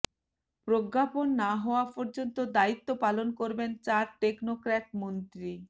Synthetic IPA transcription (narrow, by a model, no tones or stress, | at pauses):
pɾoɡːaponːaɦɔoapɔɾd͡ʑont̪od̪ait̪ːopalonkoɾbent͡ɕaɾʈːeknokɾɛʈmont̪ɾi